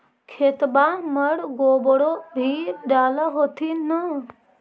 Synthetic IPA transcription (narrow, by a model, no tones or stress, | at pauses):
kʰet̪baməɽɡobɽobʱiɖaːləɦot̪ʰinə